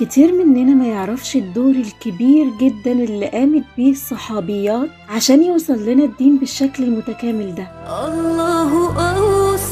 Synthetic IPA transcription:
ket̪ʰiːɾmenʔænæmæjeʕɾˤɑfʃed̪ːoːɾelkebiːɾɡed̪ːænʔelːiʔæːmet̪̚biːsˤːɑħɑːbejːɑːt̪ | ʕaʃæːnjewsˤɑlːenæd̪ːiːmbeʃːæklelmot̪ækæːmeld̪æʔɑlːɑːɦʔɑs

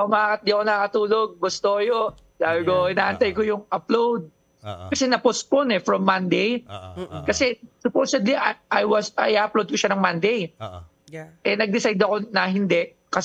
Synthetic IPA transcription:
komɐkaːkɐt̪̚d̪iɐkonɐɐkɐt̪uːloɡ̚bʊst̪ojo | laːbɪɡoɪnaːʔɐnt̪ajkojʊŋʔɐplowd̪̚ | kɐsɛnɐposponɛfɹɔmːand̪ej | kɐsɛsʊpowsɛd̪liʔʔajwɐsɐjʔaʔplowd̪̚koʃanɐŋmand̪ej | ʔɛnɐɡ̚d̪ɪsajd̪ɐko̞nɐɦɪnd̪ɛʔ | kɐs

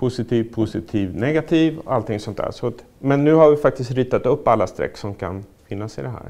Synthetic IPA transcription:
pʰʊsɪt̪ʰiːvpʰʊsɪt̪ʰiːvnɛɡat̪ʰiːvɔalt̪ɪŋsɔnt̪̚ʰd̪æ̰ːɾʂɔt̪ | mɛnːʉ̟ːhaɾvɪfak̚t̪ɪst̪ɾiːt̪ːat̪ɵpːalːast̪ɾɛ̰kːsɔmkʰa̰nfɪnːasɪd̪ɛɦæ̰ːɾ

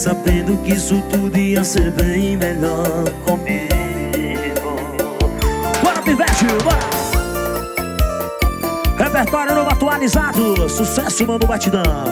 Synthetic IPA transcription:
sabẽnd̪ʊkisʊt̪ud̪iɐseɾbẽj̃meʎɔɾkõpi | o | kɔɾɐpivɛʒimɐ | hepeɾt̪ɔɾjʊnõvat̪ualizad̪ʊsusɛsʊmɐ̃d̪ʊbat͡ʃid̪ɐ̃

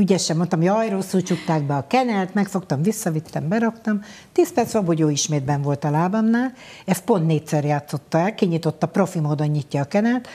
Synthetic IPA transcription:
yɟɛʃɛmo̞nt̪ɒmoɟɒjɾosːut͡ʃut̪ːaːɡ̚bɛɒkɛnɛlt̪mɛkfo̞kt̪ɒmvisːɒvit̪ːɛmbɛɾɒkt̪ɒm | t̪iːspɛrt̪sʋɒboɟoːiʃmeːd̪bɛɱvo̞lt̪ɒlaːbɒmnaːlɛst̪̚po̞nt̪neːcsɛrjaːt̪so̞t̪ːɒɛlkiɲit̪o̞t̪ːɒpro̞fimoːd̪o̞ɲːicːɒːkɛnɛlt̪

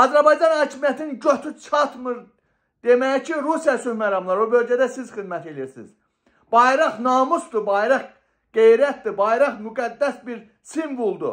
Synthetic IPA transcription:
ɑzæɾbɑjd͡ʒɑnhɑːcʰimijæt̪ʰininɟøt̪ʰyt͡ʃʰɑt̪mɯɾ | d̪̥e̞mæjicʰiɾusijɑsyhmæɾɑmlˠɑɾobø̞lɟæd̪æsizxid̪mæt̪ʰe̞liiɾsḭz̥ | b̥ɑjɾɑχnɑːmusd̪ubɑjɾɑχ | ɡ̥ejɾæt̪̚d̪ibɑjɾɑχmyɡæd̪ːæsbiɾ | simvulˠd̪ṵ

